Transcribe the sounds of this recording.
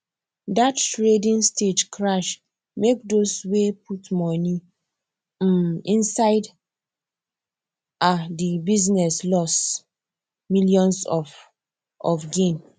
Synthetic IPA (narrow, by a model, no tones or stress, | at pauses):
datːɹedĩnsted͡ʒkʰɹaʃ | mek̚doswepʰutmɔni | ĩnsaɪd | adibiznɛslɔs | miljɔ̃nsɔf | ɔfɡẽn